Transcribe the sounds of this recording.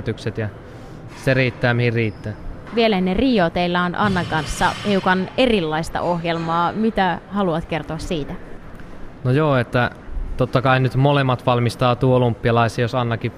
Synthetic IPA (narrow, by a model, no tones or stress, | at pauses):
t̪ykset̪jɑ | seriːt̪ːæːmihirriːt̪ːæːʋielænːeriːot̪eilːɑonʔɑnːɑŋkɑnsːɑheukɑne̞rilːɑist̪ɑ̰ʔo̞ɦjelmɑːmit̪æhɑluɑt̪ke̞rt̪oɑssiːt̪æ | nojoːet̪ːæt̪ot̪ːɑkɑinyt̪molemːɑt̪ʋɑlmist̪ɑːt̪uoolumpːiɑlɑisiːjosɑnːɑki